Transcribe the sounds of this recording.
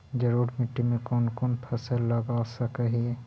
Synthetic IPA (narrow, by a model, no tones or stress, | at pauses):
d͡ʒɐɾuːɾmɪʈːimẽkɔːnkɔːnpʰɐsəllːɐɡaːsɐkəɦiɛ